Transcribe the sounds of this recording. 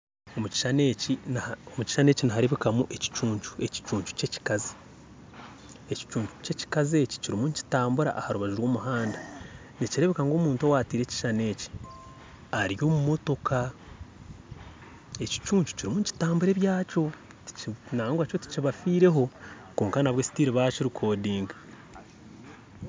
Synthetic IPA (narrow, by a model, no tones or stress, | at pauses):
omuci̥ʃaneːcinomuci̥ʃane̞ːcinaɦaɾe̞βekamuʔe̞ci̥t͡ʃuːɲt͡ʃu̥e̞ci̥t͡ʃuːɲt͡ʃu̥ce̞ci̥kazi̥ | e̞ci̥t͡ʃuːɲt͡ʃu̥ce̞ci̥kazeci̥ciɾimunci̥taːmbuɾa̰ʔahaɾuβaʒiɾwo̞ːmuɦaːnda | niciɾe̞βekaŋɡo̞ːmuːntowaːtiːɾe̞ci̥ʃane̞ːci̥ | aɾjo̞ːmumo̞to̞ka | e̞ci̥t͡ʃuːɲt͡ʃu̥ciɾimuɲci̥taːmbuɾe̞ːβjaːt͡ʃo̞ | ti̥naaŋɡwat͡ʃoti̥ciβafiːɾe̞ɦo̞ | ko̞ːŋkanaβwe̞si̥tiːɾiβaciɾikʰo̞ːdiːŋɡa